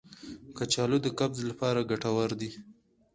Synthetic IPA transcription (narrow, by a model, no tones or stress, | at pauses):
kat͡ʃɑlod̪əkabzlapɑɾaɡaʈawaɾd̪i